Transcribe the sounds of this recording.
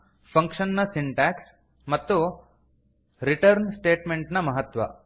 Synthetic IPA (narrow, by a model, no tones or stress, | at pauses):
pʰɐŋkʂɐnːɐsiɳʈaːks | mɐt̪ːu | ɾiʈɐɾnsʈeːʈmeɳʈnɐmɐɦɐt̪ʋɐ̰